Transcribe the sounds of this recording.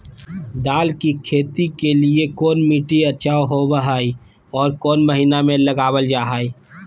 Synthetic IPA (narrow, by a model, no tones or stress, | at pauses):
d̪aːlkikʰeːt̪ikeliekoːnmiːʈiət͡ʃaːoɦobəɦaːi | ɔːɾkɔːnməɦiːnamẽləɡaːwəld͡ʒaːɦaːi